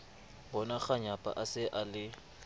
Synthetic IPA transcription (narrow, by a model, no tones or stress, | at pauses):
bɔnak͡xaɲapʼa̰ʔasɪʔalɪ